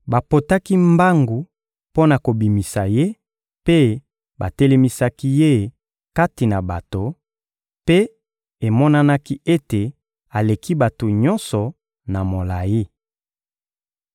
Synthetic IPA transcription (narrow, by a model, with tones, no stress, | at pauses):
ba˨po˨ta˦ki˦mba˦ŋɡu˨ | po˦na˨ko˨bi˨mi˨sa˨je˦ | pe˦ | ba̰˨te˦le˦mi˦sa˦ki˦je˦˨ | ka˦ti˨na˨ba˨to˨ | pe˦ | e˨mɔ˦na˦na˦ki˦e˦te˨ | a˨le˨ki˦ba˨to˨ɲɔ˦nsɔ˨ | na˨mo˨la˨ji˦